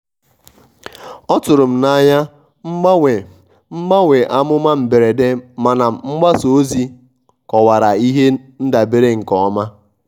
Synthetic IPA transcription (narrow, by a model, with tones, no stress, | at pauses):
ɔ˦tʊ˨ɾʊ˨m̩˨na˦ɲa˦ | ŋ͡m̩˦ɡ͡ba˦wʷe˨ | m̩˦ɡ͡ba˦wʷe˨ʔa˦mʊ˦ma˦m̩˨be˨ɾe˨de˦ma˨na˨m̩˨ŋ͡m̩˦ɡ͡ba˦so˨˦zi˦ | kɔ˨wa˨ɾa˨i˦ɦe˦n̩˦da˨be˦ɾe˦ŋ̩˨kɔ˨ɔ˦ma˦